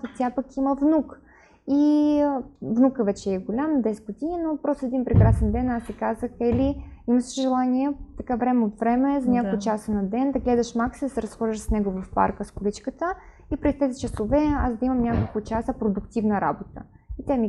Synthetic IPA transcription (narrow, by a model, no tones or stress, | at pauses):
ot̪ʲjapɐkiməvnuk | i | vnukəvɛt͡ʃɛːɡolʲamd̪ɛsɛ̥t̪pot̪ʲininopɾɔst̪oɛd̪inpɾɛkɾasɛnd̪ɛnasɛkazəxɛliimɐʃi̥ʒɛlˠaniɛt̪ɐkavɾɛmɛot̪vɾɛmɛzɐnʲakʊt͡ʃasənɐd̪ɛnd̪ɐɡlɛd̪ɐʃmaksid̪ɐsɛɾɐsxɔʒiʃsnɛɡʊvɐfpa̰ɾkəskʊlit͡ʃkət̪ə | ipɾɛst̪ɛzʲit͡ʃəsovɛazd̪ɐimɐmnʲakolˠkʊt͡ʃasəpɾod̪ʊkt̪ivnəɾa̰bot̪ə̰ | it̪ʲami